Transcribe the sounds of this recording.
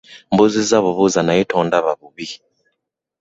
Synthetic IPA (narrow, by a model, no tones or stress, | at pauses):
mbuzizaβuβuzanaitɔːndaβaβuβi